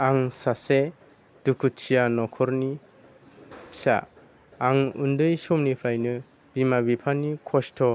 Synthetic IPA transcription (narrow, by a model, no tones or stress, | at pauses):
aŋsase | d̥ukʰutt͡ʃijanɔkʰɔɾni | pʰi̥sa̰ː | ŋṵndɯjsɔmnipʰajnɯ | b̥imabipʰanikʰɔstʰɔ